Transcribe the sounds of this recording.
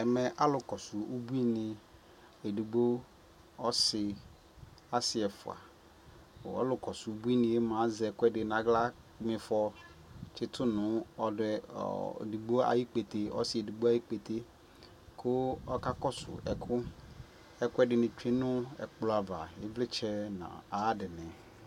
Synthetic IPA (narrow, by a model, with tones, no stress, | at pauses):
ɛ˨mɛ˨ʔa˦lʊ˨kɔ˨sʊ˨ʔo˦bu˦i˦nɪ˨ | e˨di˨ɡ͡bo˦ | ɔ˦sɪ˨ | a˦sɪ˨ɛ˨fʊ̰˨a̰˨ | o̰˨ɔ̰˦lʊ˨kɔ˨sʊ˨˦bu˦i˦nɪ̃˨e˦mã˨˦zɛ˨kʊ˦ɛ˦dɪ˨nã˨ɡla˦ | mɪ̃˨fɔ˦t͡ʃɪ˦tʰʊ˦nʊ̃˨˦ɔ˨dɛ̰˨ | du˨ɡ͡bo˦a̰˨ji˦k͡pe˨te˨ɔ̰˦sɪ˦˨e˨du˨ɡ͡bo˦a˦ji˦k͡pe˨t̪ʰe˦ | kʰʊ˦ɔ˦ka˦kɔ˦sʊ̰˨ɛ̰˨kʰʊ˦ | ɛ˨kʊ˦ɛ˦dɪ˨nɪ̃˨t͡ʃᶣe˦nʊ̃˦ɛ̰˨k͡plʊ˦a˨va˨ɪ˦vlɪ˦t͡ʃʰɛ˦nã̰˨a˨˦dɪ˨nɛ̃˨